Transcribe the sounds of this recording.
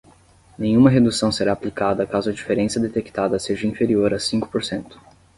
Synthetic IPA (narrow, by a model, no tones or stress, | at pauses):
nẽjɲ̃ũmɐɦed̪usɐ̃w̃seɾaːplikad̪ɐkazʊɐd͡ʒifeɾẽsɐd̪et̪ekt̪ad̪ɐseʒɐĩfeɾioɾɐsĩkʊ̥poɾsẽnt̪ʊ̥